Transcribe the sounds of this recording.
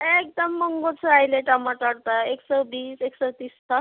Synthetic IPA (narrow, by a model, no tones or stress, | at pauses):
ek̚d̪əmːəŋɡot͡sʰajleʈamaʈəɽt̪aeksəbiːseksət̪ist̪ʰa